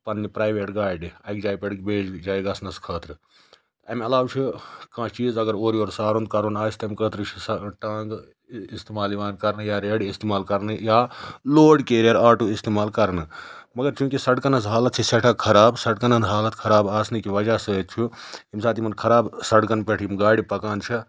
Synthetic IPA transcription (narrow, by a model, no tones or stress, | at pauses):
pɐnːipɾaːjʋeːʈɡaːjɖiɐkd͡ʒaːjpeɽkbeːd͡ʒd͡ʒaːjɡaːsnɐskʰɐːt̪ɾɨ | t̪ɐmeɐlaːwt͡ʃʰikãːt͡ʃiːzɐɡəɾoːɾioːɾsaːɾund̪̚kaːɾunaːt͡ʃʰt̪ɐmkət̪ɾɨt͡ʃʰisʈãːŋɡ | ist̪eːmaːliʋaːnkɐɾnɨjaɾeːɽiist̪eːmaːlkɐɾnɨjaːloːɽkeːɾijɐɾaːʈuist̪eːmaːlkɐɾnɨmɐɡəɾt͡ʃʰũkisɐɽkɐnɐsɦaːlət̪̚t͡ʃʰiseʈʰakʰɐɾaːbsɐɽkɐnɐnd̪ɦaːlət̪kʰɐɾaːbaːsnikiʋɐd͡ʒasɐt̪t͡ʃʰuimsaːt̪imɐnkʰɐɾaːbsɐɽkɐnpeʈʰimɡaːɽipɐkaːnt͡ʃʰi